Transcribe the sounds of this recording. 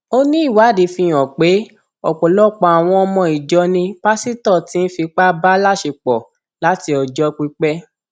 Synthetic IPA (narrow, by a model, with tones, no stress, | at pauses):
o˦nĩ˦i˦˨wa˨˦˨di˨˧˦fĩ˧j̃ɔ̃˨k͡pe˨˦ | ɔ˨k͡pɔ˨lɔ˦˨k͡pa˧˨a˨w̃ɔ̃˧ɔ˧mɔ̃˧i˨d͡ʒɔ˧nĩ˧˦pa˦si˦tɔ˦˨ti˨˦n̩˦fi˧k͡pa˦ba˦la˦˨ʃe˧k͡pɔ˨ | la˨˦ti˧ɔ˨d͡ʒɔ˧˦k͡pi˧k͡pɛ˦